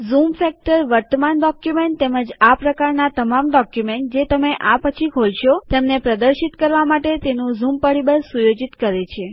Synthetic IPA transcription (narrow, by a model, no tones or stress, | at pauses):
zumfɛk̚ʈəɾʋəɾt̪əmanɖɔkjumeɳʈ̚t̪eməd͡ʒapɾəkaɾnat̪əmamɖɔkjumeɳʈ̚d͡ʒet̪əmeʔapət͡ʃʰikʰolʃot̪emnepɾəd̪əɾʃit̪kəɾʋamaʈet̪enũzumpəɽibəɾsujod͡ʒit̪kəɾet͡ʃʰe